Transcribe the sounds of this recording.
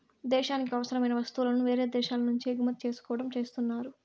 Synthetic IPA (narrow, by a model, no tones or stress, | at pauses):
d̪ɛːʃaːnik̬iɐʋɐsɐɾɐmɐjnɐʋɐst̪ulɐnuʋe̞ːɾe̞ːd̪ɛːʃaːlɐnuɲt͡ʃiɡumɐt̪̚t͡ʃe̞ːsu̥kɔːʋɐʈɐmt͡ʃe̞ːst̪unːaːɾu